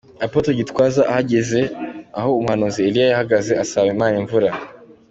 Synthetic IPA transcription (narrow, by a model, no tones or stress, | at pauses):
apotoɟitkwazaʔahaɟezeahoːmuhanuziːlijajahaɡazeʔasawemaːɲeɱvuɾa